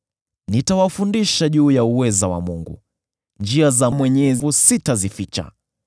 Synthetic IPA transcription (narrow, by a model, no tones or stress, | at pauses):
nitawafundiʃaʄuːjauwɛzawa̰muŋɡṵ | nd͡ʒiazamwɛɲɛvusitazifit͡ʃa̰